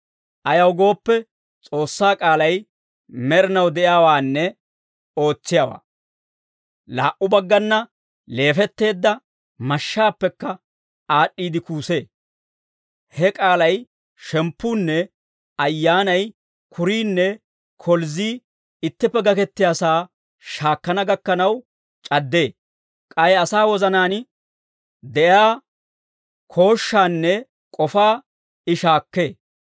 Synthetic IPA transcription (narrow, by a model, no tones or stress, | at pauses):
ʔɐjɐwɡo̞ːpːɛ | t͡sʼo̞ːsːaːkʼaːlɐj | mɛɾɪnɐwd̪ɛʔjaːwaːnːɛ | o̞ːt͡sːɪjawa̰ː | la̰ːʔʊbɐɡːɐnːɐ | le̞ːfɛt̪ːe̞ːd̪ːɐ | mɐʃːaːpːɛkːɐ | aːɗːiːd̪ɪkuːse̞ː | hɛkʼaːlɐj | ʃɛmpːuːnːɛ | ɐjːaːnɐj | kʰʊɾiːnːɛ | kʰɔlziː | ɪt̪ːɪpːɛɡɐkɛt̪ːɪjaːsaː | ʃaːkːɐnɐɡɐkːɐnɐw | t͡ʃʼɐd̪ːe̞ː | kʼɐjɐsaːwɔzɐnaːn | d̪ɛjaː | kʰo̞ːʃːaːnːɛ | kʼɔfaː | ɪʃaːkːe̞ː